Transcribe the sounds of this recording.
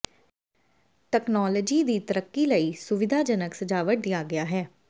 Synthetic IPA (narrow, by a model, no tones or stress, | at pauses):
ʈɛːknɔːləd͡ʒiːd̪iːt̪əɾəkːiːləiːsʊʋɪd̪ʱaːd͡ʒənəksəd͡ʒaːʋəʈ̚d̪ɪjaːɡɪaːɦɛː